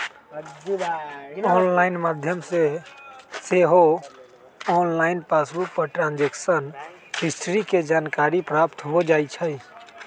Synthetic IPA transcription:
ɔːnlaːɪnmaːd̪ʱjəmse | seɦo | ɔːnlaːɪnpaːsbʊk̚pəɾʈɾãːnd͡ʒeksən | hɪsʈʰɾiked͡ʒaːnkaːɾipɾaːpt̪ɦod͡ʒaːit͡ʃʰɛi

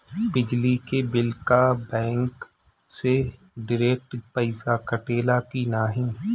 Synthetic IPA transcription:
bɪd͡ʒlikebɪlkabɛ̃ːŋk | se | ɖɪɾeːk̚ʈpəɪsakɐʈeːlakinaːɦĩː

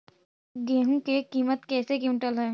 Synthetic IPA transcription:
ɡeːɦũkekiːmət̪kɛːsekiʈəlɦɛː

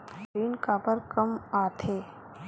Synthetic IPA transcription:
iːnkapəɾkəmaːt̪ʰeː

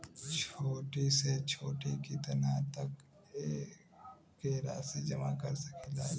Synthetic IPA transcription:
t͡ʃʰoːʈiset͡ʃʰoːʈikit̪ɐnat̪ɐk | eː | kːeɾa̰ːsid͡ʒɐmakɐɾsɐkilaː

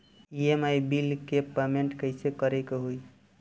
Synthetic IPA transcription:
iemajbilkepemeɳʈkəjsekəɾekeɦuj

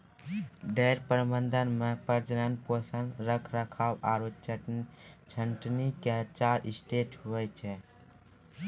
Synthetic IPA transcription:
ɖeɾpəɾmənd̪ʱənmepəɾd͡ʒənənposənɾəkʰɾəkʰawaɾot͡ʃ | t͡ʃʰəɳʈniket͡ʃaɾisʈeʈɦoɛt͡ʃʰɛ

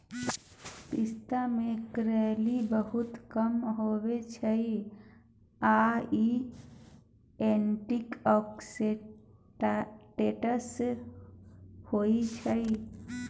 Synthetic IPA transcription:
pist̪amekɾɛlibəɦut̪kəmɦobet͡ʃʰəi | ai | eɳʈikɔkse | ʈeʈəs | hoit͡ʃʰəi

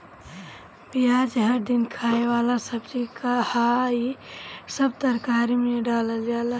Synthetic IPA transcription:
biaːd͡ʒɦəɾd̪ɪnkʰaːewaːlasəbd͡ʒikahaisəbt̪əɾkaːɾimẽɖaːləd͡ʒaːla

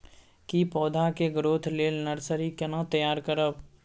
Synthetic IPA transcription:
kipɔːd̪ʱakeɡɾoːt̪ʰleːlnəɾsəɾikenə̃t̪əjaːɾkəɾəb

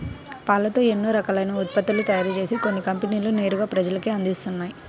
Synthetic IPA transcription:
paːlɐt̪o̞ːenːoːɾɐkaːlɐjnɐut̪̚pɐt̪ːulut̪ɐjaːɾit͡ʃe̞ːsiko̞nːikɐmpeniːlune̞ːɾuɡaːpɾɐd͡ʒɐlɐkiɐnd̪ist̪unːaːji

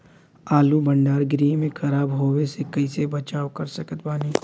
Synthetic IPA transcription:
aːlubɐɳɖaːɾɡɾiːmẽkʰɐɾaːbɦoːwesekɐɪsebɐt͡ʃaːokɐɾsɐkət̪baːni

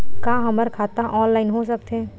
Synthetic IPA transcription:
kãɦəməɾkʰat̪aʔɔːnlaɪnɦosək̚t̪ẽ

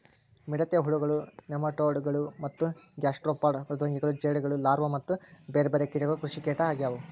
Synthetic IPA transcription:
miɽɐt̪jɐɦuɭuɡɐɭunemɐʈoːɖɡɐɭumɐt̪ːuɡjaːsʈɾoːpaːɾɖpɾɐd̪ʋɐŋɡiɡɐɭud͡ʒeːɽɡɐɭulaːɾʋɐmɐt̪ːubeːɾebeɾekiɾɐɡɐukɾuʂikeːʈɐaːɡjaːʋu

